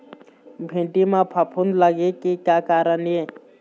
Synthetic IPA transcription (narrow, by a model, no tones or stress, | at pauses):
bʱẽːʈimãpʰəpʰʊnləɡekikjaːkaːɾənjeː